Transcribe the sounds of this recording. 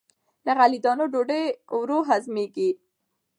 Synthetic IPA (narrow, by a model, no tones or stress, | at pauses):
laɣalid̪ɑnoɖoɖewɾoɦazmeɡi